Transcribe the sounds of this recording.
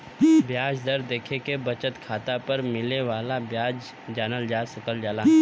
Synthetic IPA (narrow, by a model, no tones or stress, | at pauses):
bjaːd͡ʒd̪ɐɾd̪eːkʰekebɐt͡ʃət̪kʰaːt̪apɐɾmɪleʋaːlabjaːd͡ʒ | d͡ʒaːnəld͡ʒaːsʊkəld͡ʒaːla